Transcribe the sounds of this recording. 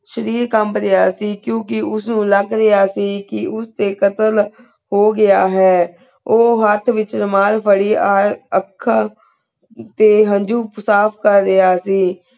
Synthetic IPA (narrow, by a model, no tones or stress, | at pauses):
ʃəɾiːɾkəmɾeaːsiːkjõːk̬ɪʊsnũːləɡɾɪaːsiːkɪʔʊst̪eːkət̪əl | hoːɡɪaːɦɛː | oːɦət̪ʰʋɪt͡ʃnəmaːlpʰəɽiːaːɾəkʰː | t̪eːɦəɲd͡ʒuːpsaːpʰkəɾːeaːsiː